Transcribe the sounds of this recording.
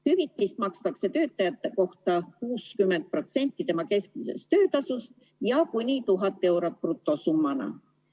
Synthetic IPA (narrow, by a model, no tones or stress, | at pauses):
hyvit̪ːˑist̪mɑkst̪ɑkse̞t̪ø̞ːt̪ːˑɑjɑt̪ːeko̞ht̪ɑkuːskymːe̞nt̪̚pro̞t̪se̞nʲt̪ˑːit̪e̞mɑke̞skmise̞̰st̪ø̞ːt̪ɑsust̪̚ | jɑkunʲit̪uɦɑt̪ːˑe̞wɾɑt̪̚prut̪ːˑo̞sumːɑnɑ̰